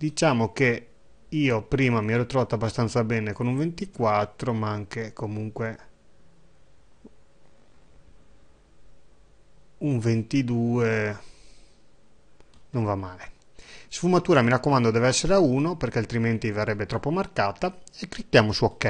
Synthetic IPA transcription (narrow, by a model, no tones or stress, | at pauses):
d̪it͡ʃaːmoke | iːopɾiːmamiɛːɾot̪ɾovaːt̪oabːast̪ant̪sabɛːnekonuɱvent̪ikwat̪ːɾomaaŋkekomuŋkwe | uɱvent̪id̪uːe | noɱvamːaːle | sfumat̪uːɾamiɾakːomand̪od̪ɛːveɛsːeɾeauːnoperkealt̪ɾiment̪ivarːɛbːet̪ɾɔpːomarkaːt̪aekːɾik̪ːjaːmosuokːɛ